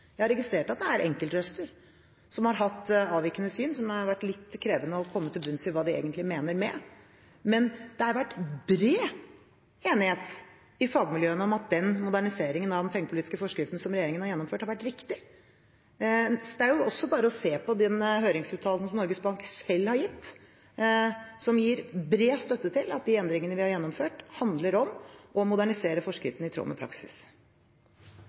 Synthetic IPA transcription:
jæɪhɑɾɛɡɪst̪ɾeːʈɑt̪̚d̪ɛæɾʔɛŋkəlt̪ɾœst̪əɾ | sɔmhɑɾɦɑt̪ːɑːʋɪkənəsyːnsɔmɑɾʋæʈːlɪt̪ːkʰɾeːʋənəɔkʰɔmːət̪ʰɪlbʉnsɪʋɑːd̪ɪḛːɡənt̪lɪmeːnəɾmɛ | mɛnd̪̥ɛhɑɾʋæʈːbɾeː | eːnɪheːt̪ | ɪfɑːɡmɪljøːənəɔmɑt̪̚d̪ɛnmʊd̪æɳɪseːɾɪŋənɑʋd̪ɛnpʰɛŋːəpʊliːt̪ɪskəfɔʂkɾɪft̪n̩sɔmɾɛjeːɾɪŋənhɑɾjɛnːɔmføːʈhɑɾʋæʈːɾɪkt̪ɪ | d̪ɛæɾjʊɔsːɔbɑːɾəɔseːpɔd̪ɛnɦøːɾɪŋsʉːt̪ʰɑːln̩sɔmnɔɾɡəsbɑŋksɛlːhɑɾjɪt̪ː | sɔmjiːɾbɾeːst̪œt̪ːət̪ʰɪlɑt̪̚d̪iːɛnd̪ɾɪŋənəʋɪhɑɾjɛnːɔmføːʈhɑnd̪ləɾɔmɔmʊd̪æɳɪseːɾəfɔʂkɾɪ̰ft̪ən̩ɪt̪ʰɾo̰ːmɛ̰pʰɾɑ̰ksɪ̥̰s

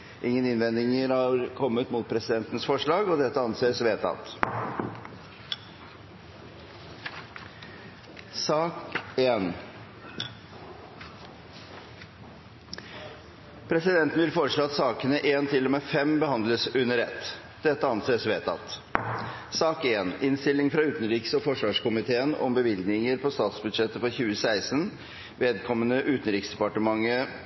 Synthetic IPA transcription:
ʔɪŋːənɪnʋɛnd̪ɪŋəɾhɑɾkʰɔmːət̪muːt̪̚pʰɾɛsɪd̪ɛnt̪ənəsfɔʂɭɑːɡɔd̪ɛt̪ːəɑnseːsʋeːt̪ʰɑ̰t̪ | sɑːkeːn | pʰɾɛsɪd̪ɛnt̪ən̩ʋɪlfoːɾəʂɭoːɑt̪sɑːkənəʔeːnt̪ʰɪlːɔmɛfɛmbəhɑnd̪ləsʉnːəɾɛt̪ː | d̪̥ɛt̪ːəɑnseːsʋeːt̪ʰɑ̰t̪ː | sɑːkeːnɪnst̪ɪlːɪŋfɾɑʉːt̪ənɾiːksɔfɔʂʋɑːʂkʊmɪt̪ʰeːənɔ̰mbəʋɪlɡ̪nɪŋəɾpʰɔst̪ɑːt̪sbʉd̪ʂɛt̪ːəfɔɾçʉːəsæɪsən | ʋeːd̪kʰɔmːənəʔʉːt̪ənɾiːksd̪ɛpɑʈəmɑŋːə

